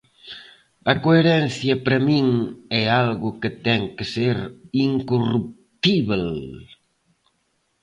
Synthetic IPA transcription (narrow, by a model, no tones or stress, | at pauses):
ɐkoeɾɛnθjɐpɾɐmiŋɛalɣʊkɪt̪ɛŋkɪseɾiŋkorup̚ | t̪iβel